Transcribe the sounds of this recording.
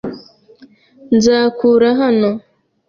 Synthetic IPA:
nzaːkuɾaɦano

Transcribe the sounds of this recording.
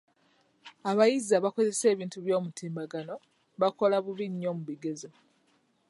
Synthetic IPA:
aβajizaβako̞ze̞se̞ːβiːntuβjo̞ːmutʰiːmbaɡano̞ | βako̞laβuβiɲːo̞ːmuβiɡe̞zo

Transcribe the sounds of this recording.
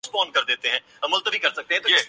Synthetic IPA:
spɔːnkəɾd̪eːt̪eɦɛ̃ː | əməlt̪əbiːkəɾsək̚t̪ẽɦɛ̃t̪oɪ

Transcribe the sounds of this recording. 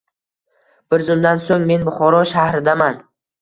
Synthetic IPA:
b̥ɪɾzʊmd̪ansoŋme̞nbʊχɒɾɒʃahɾɪd̪aman

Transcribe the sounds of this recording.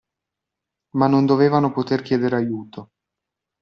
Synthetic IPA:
manːond̪oveːvanopot̪erkʲjɛːd̪eɾajuːt̪o

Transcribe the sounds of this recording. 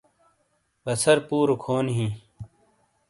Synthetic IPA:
bɐsɐɾpuːɾokʰoːnɦĩː

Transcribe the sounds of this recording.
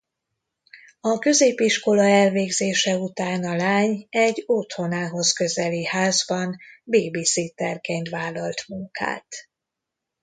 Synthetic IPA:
ɒkø̞zeːpiʃko̞lɒɛlveːɡzeːʃɛut̪aːnɒlaːɲɛɟot̪ho̞naːɦo̞zkø̞zɛlihaːzbɒnbiːbisit̪ɛrkeːnt̪ʋaːlːɒlt̪muŋka̰ːt̪

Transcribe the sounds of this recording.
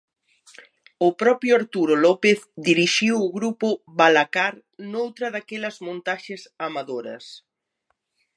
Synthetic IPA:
ʊpɾɔpjʊaɾt̪uɾolɔpeθd̪iɾiʃiwʊɣɾupʊβalakaɾ | nowt̪ɾɐðakɛlɐzmõnt̪aʃɪsamaðoɾɐ̰s

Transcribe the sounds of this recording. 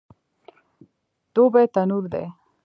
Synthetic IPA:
d̪̥obet̪anuɾd̪ḛ

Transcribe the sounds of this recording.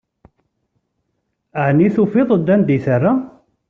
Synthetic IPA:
əʕniθufiðˤəd̪ːænd̪iθarːa

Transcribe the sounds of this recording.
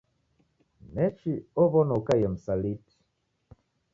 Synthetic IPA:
nɛt͡ʃiɔβɔnɔkajɛm̩saliti̥

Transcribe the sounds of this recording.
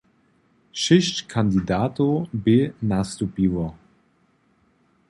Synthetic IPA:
ʃɪʃtkʰandidaːtobɪnastupiːwɐ

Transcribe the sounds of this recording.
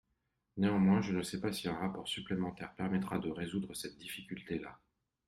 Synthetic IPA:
neɑ̃mwɛ̃ʒənəsɛpasiɛ̃ʁapɔʁsyplemɑ̃t̪ɛʁpɛʁmɛt̪χad̪əʁezud̪ʁəsɛt̪̚d̪ifikʲylt̪ela̰

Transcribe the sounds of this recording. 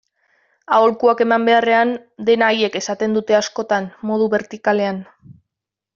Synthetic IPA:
ao̞lkuake̞mambe̞are̞and̪e̞naːje̞ke̞sat̪e̞nd̪ut̪e̞asko̞t̪anmo̞ð̞uβe̞ɾt̪ikale̞an

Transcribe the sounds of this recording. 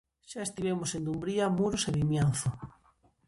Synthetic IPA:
ʃaest̪iβemosend̪umbɾiamuɾoseβimjanθʊ

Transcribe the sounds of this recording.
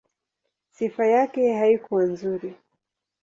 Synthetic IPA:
sifajakɛhaikuwanzuɾi

